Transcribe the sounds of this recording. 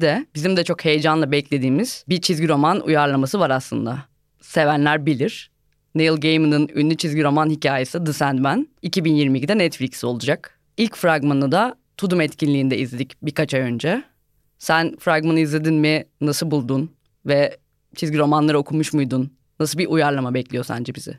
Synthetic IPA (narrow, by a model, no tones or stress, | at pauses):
d̪ɛbizimd̪ɛt͡ʃʰo̞khe̞jed͡ʒanlˠabɛlʲclʲe̞d̪iːmiz̥bit͡ʃʰizɟiɾo̞manṵjaɾlˠamasɯvaɾaslˠɯ̰nd̪a | se̞vænlʲæɾbilʲiɾ̥ | nejilˠɟejmɯnɯny̰nlːʲyt͡ʃʰizɟiɾo̞manhicʰaːjesɯd̪ɯsænd̪bænicʰibinjiɾmicʰid̪ɛnɛt̪flʲicso̞lˠud͡ʒak | ilʲcfɾaɡmanɯd̪a | t̪ʰud̪umɛt̪cʰinlʲiːnd̪ɛizlʲed̪icbikat͡ʃajø̞nd͡ʒɛ | sænfɾaɡmanɯizlʲe̞d̪inminasɯlˠbulˠd̪un | vɛ | t͡ʃʰizɟiɾo̞manlˠaɾɯo̞kʰumuʃmujd̪unː | asɯbiʔujaɾlˠamabɛclʲijo̞sa̰nd͡ʒɛbizɪ̰